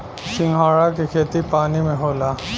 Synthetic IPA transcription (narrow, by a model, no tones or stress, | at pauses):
sɪ̃ŋɡʱaːɽakikʰeːt̪ipaːnimẽɦoːlaː